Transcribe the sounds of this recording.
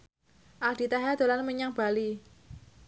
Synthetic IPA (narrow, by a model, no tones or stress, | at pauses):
ʔald̥̪i̤t̪aɦad̪̥o̤lanməɲaŋb̥a̤li